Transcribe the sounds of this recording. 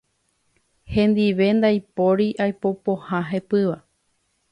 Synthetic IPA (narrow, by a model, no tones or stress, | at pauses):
hẽ̞nd̪iʋe̞nd̪ajpoɾiʔajpo̞pohãɦe̞pɨʋa